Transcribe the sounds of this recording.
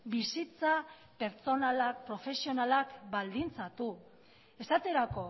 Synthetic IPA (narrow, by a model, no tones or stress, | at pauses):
bisit͡sa | pe̞ɾt͡so̞nalak̚pɾo̞fe̞sio̞nalakbald̪int͡sat̪u | e̞sat̪e̞ɾako̞